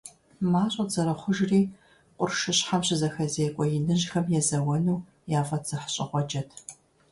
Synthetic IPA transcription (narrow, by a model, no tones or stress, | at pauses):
maːɕʼɐz̥ɐɾɐχʷʊʒriː | qʷʼʊrʃɨɕħamɕɪzɐxɐzeːkʷʼɔjɪnɨʑxɐmjɛzɐwɐnuː | jaːfɐtz̥ɐħɕʼɪχʷɔd͡ʒɐtʰ